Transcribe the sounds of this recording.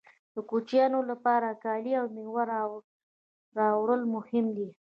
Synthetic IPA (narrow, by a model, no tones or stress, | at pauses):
d̪̥əkut͡ʃjɑnolapɑɾakɑliawnewaɾ | ɾɑwɽəlmʊhɪmd̪i